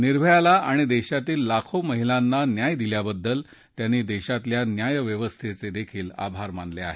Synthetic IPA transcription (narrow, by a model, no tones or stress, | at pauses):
niɾb̤ʱəjalaʔaɽ̃id̪eɕat̪iːlːakʰoməɦilanːanjajd̪iljabəd̪ːəl | t̪janːiːd̪eɕat̪ljanjajʋjəʋəst̪ʰet͡sed̪ekʰiːla̰bʱaɾmanlea̰ɦe